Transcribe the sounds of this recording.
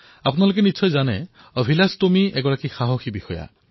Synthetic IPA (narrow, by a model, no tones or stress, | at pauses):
apunalok̬ɛnisʰɔjzanɛ | ɔbʱilastomiɛɡɔɹakixaɦoxibixɔja̰